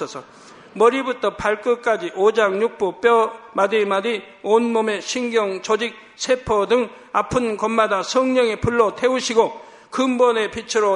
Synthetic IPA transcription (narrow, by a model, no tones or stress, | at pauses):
ʌsʰʌ | mʌɾibutʰʌpaɭk͈ɯk͈ad͡ʑiʔod͡ʑaŋɲuk̚p͈op͈jʌmadimadi | onmome̞ɕʰiŋɡjʌŋt͡ɕʌd͡ʑik̚ | sʰepʰʌdɯŋ | apʰɯnkʌmːadasʰʌŋɲʌŋepuɭːʌtʰe̞uɕʰiɡo | kɯmbʌne̞pit͡ɕʰɯɾo